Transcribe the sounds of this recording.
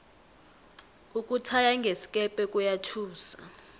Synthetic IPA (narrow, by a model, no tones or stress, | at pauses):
uk̬ʼutʰajaŋɡʱesi̥kʼɛpʼɛkʼujatʰuːsa̰